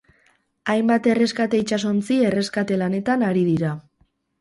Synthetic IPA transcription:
ajmbat̪e̞re̞skat̪e̞it͡ʃas̬o̞nt͡sie̞re̞skat̪e̞lane̞t̪anaɾiðiɾa

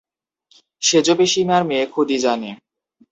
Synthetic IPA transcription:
ʃed͡ʑobeʃimaɾmekʰod̪id͡ʑane

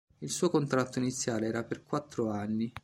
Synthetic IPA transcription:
ilsuːokont̪ɾat̪ːoinit̪sːjaːleɛːɾaperkwat̪ːɾoanːi

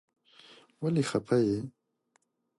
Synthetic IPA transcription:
walixapʰaje

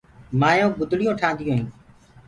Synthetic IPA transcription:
maːjõːɡʊd̪ɽɪjõːʈʰãːnd̪ɪjõːɦĩː

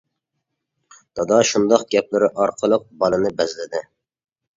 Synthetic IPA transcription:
t̪ʰɑd̪ɑʃund̪ɑqɡʲɛp̚lɪɾɪʔɑɾqʰəlˠəq̚bɑlˠɨnɪbɛzlɪd̪ɪ

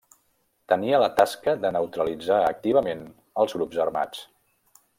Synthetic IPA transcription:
t̪əniələt̪askəðənəwt̪ɾəlid͡zaək̚t̪iβ̞əmen | əlˠzɣɾubzərma̰t͡s

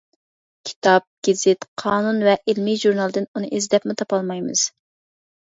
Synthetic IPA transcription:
kʲʰi̥t̪ɑp̚ɡ̥ʲɪzɪt̪qʰɑːnunvɛʔɪlmiʒuɾnɑlˠd̪ɨnunɨʔezd̪ɛpmut̪ʰɑpɑlˠmɑjmɨ̰z̥

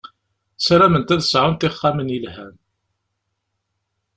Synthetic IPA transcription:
sɾæmənt̪æðəsʕʊnt̪ɪχːamənilhæm

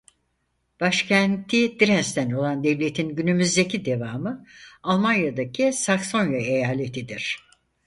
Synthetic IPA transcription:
b̥aʃcʰænt̪ʰid̪iɾɛst̪ʰæno̞lˠand̪ɛvlʲe̞t̪ʰinɟynymyzd̪e̞cʰid̪e̞vaːmɯalˠmanjad̪akʰisakso̞njaejaːlʲe̞t̪ʰid̪iɾ̝̥

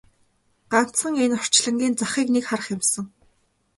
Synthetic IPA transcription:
ɢ̥an̥t͡sə̆ŋenɔr̥t͡ɕɮə̆ŋɡʲiːnt͡saχiːknekχarə̆χjɪ̆msə̆ŋ

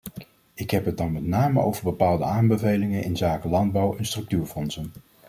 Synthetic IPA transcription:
ɪkɦɛpɦət̚dɑnmɛtnaːməo̰wvəɹbəpaːlˠdəaːmbəvejlɪŋənʔɪ̰nzaːkəlɑnd̚bʌwɛnstrɵk̚tyːɹfɔnsən

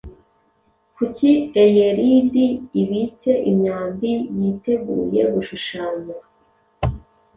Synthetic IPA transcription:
kuciejeɾidiːβit͡se̞ʔimɲaːdijite̞ɡṵːje̞βuʃuʃaːɲa

